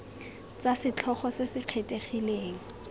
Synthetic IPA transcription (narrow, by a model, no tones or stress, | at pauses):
t͡sasɪt͡ɬʰɔχɔsesɪq͡χʰetʼeχileːŋ̩